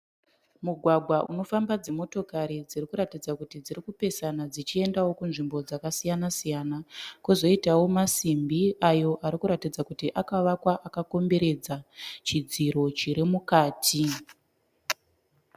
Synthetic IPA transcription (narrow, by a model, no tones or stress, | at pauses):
muɡʱwaɡʱwaʔuno̞fambad͡zimo̞to̞kaɾid͡zirikuɾatid͡zakutid͡ziɾikupe̞sanad͡zit͡ʃie̞ndawo̞kunʐimbo̞d͡zakasijanasijanakuzo̞itawo̞masimbiajo̞ʔaɾikuɾatid͡zakutiʔakaʋakwaʔakako̞mbe̞ɾe̞d͡zat͡ʃid͡ziɾo̞t͡ʃiɾimukaːtʰi